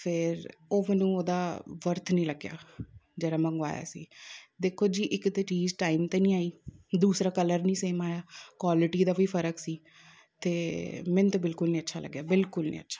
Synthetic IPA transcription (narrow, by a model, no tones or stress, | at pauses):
pʰɪɾoːmɛːnũːoːd̪aːʋəɾt̪ʰnĩːləɡja̰ːd͡ʒɛːɾaːmə̃ŋɡʋa̰ːja̰ːsḭːd̪eːkʰoːd͡ʒiːʔɪkt̪eːt͡ʃiːzʈaːiːmt̪eːnĩːaːiːd̪uːsɾaːkələɾnĩːseːmaːjaːkwaːlɪʈiːd̪aːʋiːpʰəɾəksiː | t̪eːmɛ̃nt̪eːbɪlkʊlnĩːətːʃʰaːlə̰ɡːjaːbɪlkʊlnḭ̃ːə̰tːʃʰḁː